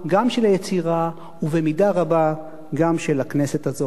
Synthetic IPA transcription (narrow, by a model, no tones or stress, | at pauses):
ɡamʃelajet͡siʁa | uvemidaʁaba | ɡamʃelakne̞se̞tazo